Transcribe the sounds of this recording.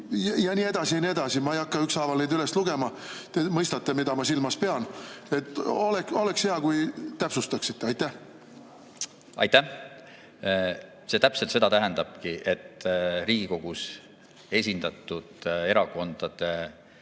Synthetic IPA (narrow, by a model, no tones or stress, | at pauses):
jɑjɑnʲiːe̞d̪̥ɑsiɑnʲie̞d̪̥ɑsimɑejɑkːɑyksɑvɑlned̪yle̞st̪luɡ̥e̞mɑ | t̪emɤjst̪ɑt̪ːemid̪ɑmɑsilmɑspe̞ɑne̞t̪ˑːo̞leko̞le̞ksheɑkujt̪æpsust̪ɑksit̪ːeɑjt̪ːˑæh | ɑ̰jt̪ːæ | se̞t̪æpselt̪se̞d̪ɑt̪æɦɛnd̪ɑb̥̚kiʔet̪ːriːɡ̥iko̞ɡ̥us | e̞sʲind̪̥ɑt̪ːˑud̪̥e̞ɾɑko̞nd̪̥ɑd̪̥e